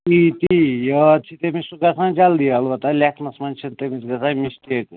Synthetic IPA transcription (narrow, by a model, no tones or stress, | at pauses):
tit̪ijət͡ʃʰit̪emisuɡɐsãːd͡ʒald̪ijɐlʋɐt̪alʲakʰnɐsmɐnt͡ʃʰint̪emisɡɐsãmist̪ek